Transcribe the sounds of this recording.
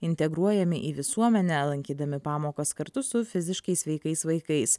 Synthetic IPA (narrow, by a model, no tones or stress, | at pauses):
ɪnʲt̪ʲɛɡɾuɔjɛmʲɪʔiːʋʲɪsuɔmʲɛnʲɛlˠɐŋʲkʲiːd̪ɐmʲɪpɑːmoːkɐskɐɾt̪ʊsʊfʲɪzʲɪʃkɐɪsʋʲɛɪkɐɪsʋɐɪkɐɪs